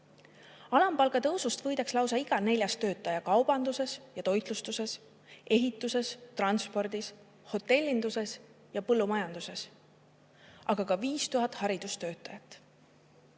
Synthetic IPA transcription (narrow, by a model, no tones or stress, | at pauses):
ɑlɑmpɑlɡ̥ɑt̪ɤwsust̪vɤ̞jd̪̥ɑkslɑwsɑiɡ̥ɑne̞lʲjɑst̪ø̞ːt̪ˑːɑjɑkɑwb̥ɑnd̪use̞sjɑt̪o̞jt̪lust̪use̞s | e̞ɦit̪ːˑuse̞st̪rɑnspo̞rd̪̥is | ho̞t̪ːˑe̞lʲːind̪̥use̞s | jɑpɤlːumɑjɑnd̪̥use̞s | ʔɑɡɑkɑviːst̪uɦɑt̪ːˑhɑɾid̪̥ust̪ø̞ːt̪ːˑɑjɑt̪ːˑ